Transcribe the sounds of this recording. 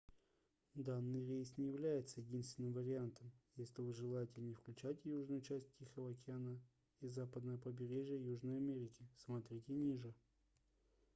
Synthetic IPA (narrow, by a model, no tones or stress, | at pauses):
d̪anːɨjɾʲejsnʲɪjɪvlʲæjɪt̪səjɪdʲinst̪vʲɪnːɨmvəɾʲɪant̪əmjesʲlʲɪvɨʐɨlˠajɪtʲɪnʲɪfklʲʉt͡ɕætʲjuʐnʊjʊt͡ɕæsʲt̚ʲtʲːixəvəɐkʲɪanə | izapəd̪nəjəpəbʲɪɾʲeʐɪjəjuʐnəjɐmʲeɾʲɪkʲɪsmɐt̪ɾʲitʲɪnʲiʐɨ